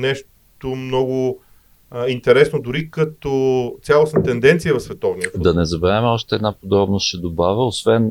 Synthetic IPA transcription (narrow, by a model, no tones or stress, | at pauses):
nɛʃ | t̪omnɔɡʊ | int̪ɛɾɛsnod̪ʊɾikɐt̪ot̪sʲalˠosnət̪ɛnd̪ɛnt̪sijəvɐfsvɛt̪ɔvniəfd̪ɐnɛzɐbɛɾamɛɔʃt̪ɛɛd̪napod̪ɾɔbnosʃɛd̪obavəosvɛn